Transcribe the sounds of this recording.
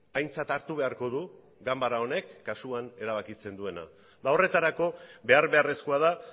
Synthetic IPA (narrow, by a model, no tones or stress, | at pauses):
ajnt͡sat̪aɾt̪uβe̞aɾko̞ð̞u | ɡambaɾao̞ne̞kːasuane̞ɾaβ̞akit͡se̞nd̪ue̞na̰ | d̪ao̞re̞t̪aɾako̞βe̞aɾβe̞are̞skoaða